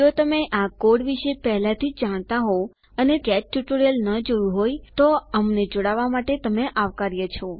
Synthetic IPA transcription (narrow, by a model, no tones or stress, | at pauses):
ot̪əmeʔakoɽʋiʃepɛɦlat̪ʰid͡ʒaɽ̃t̪aɦo | ənekɛt͡ʃʈuʈoɾjəlnəd͡ʒəũɦojt̪oəmned͡ʒoɽaʋamaʈet̪əmeʔaʋkaɾjət͡ʃʰɔ